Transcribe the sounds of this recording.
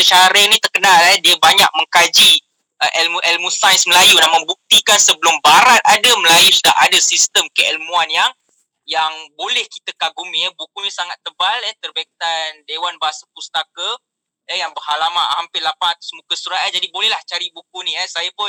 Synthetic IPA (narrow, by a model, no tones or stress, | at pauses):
sət͡ʃaɾənĩt̪ərkənalɛdiəbaɲak̚məŋkad͡ʒi | ʔəʔɛlmuʔɛlmusajsməlajunamãbuk̚t̪ikansəbəlʊmbaɾat̪̚adəməlajusudaʔadasist̪əmkəʔɛlmuanjaŋ | jaŋbolɛhki̥t̪əkaɡumĩəbukunisaŋat̪ːəbalɛht̪ərbɛk̚t̪andewanbaɦasapust̪akə | jəjaŋbərɦalamahampɪlapat̪u̥smukəsuɾaad͡ʒadibolɛhlaht͡ʃaɾibukunĩɛsajapʊn